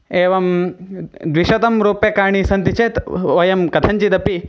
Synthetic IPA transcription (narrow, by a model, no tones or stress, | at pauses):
eːʋɐm | d̪ʋiʃɐt̪ɐmɾoːpekaːɳ̃isɐnt̪it͡ʃeːt̪ʋɐjɐmkɐt̪ʰɐɲt͡ʃid̪ɐpi